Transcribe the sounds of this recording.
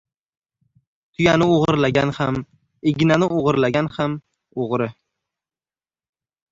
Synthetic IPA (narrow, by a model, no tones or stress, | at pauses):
t̪ʰʊjanɪoʁɨɾlaɡʲanham | eɡʲnanɪoʁɨɾlaɡʲanham | oʁɾɪ